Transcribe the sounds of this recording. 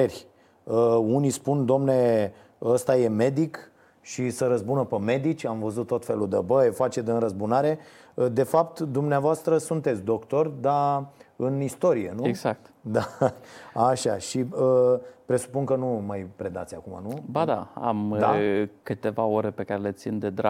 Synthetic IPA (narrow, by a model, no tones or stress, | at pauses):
erʲ | əunispund̪oomne | əst̪aje̞me̞d̪ik | ʃisəɾəzbunəpəme̞d̪it͡ʃʲamvəzut̪t̪ːo̞t̪fe̞lud̪əbəjefat͡ʃed̪ɨnɾəzbunaɾe̞ | əd̪e̞fapt̪d̪umneavoast̪ɾəsunt̪et̪sʲd̪o̞kt̪o̞rʲd̪aɨnist̪o̞ɾie̞̰nueɡzak̚t̪d̪a | aʃaʃiəpɾe̞su̥puŋkənumajpɾe̞d̪a̰t̪sʲa̰kuma̰nubad̪a̰a̰md̪a̰kɨt̪e̞vao̞ɾepe̞kaɾelet̪sind̪ed̪ɾa̰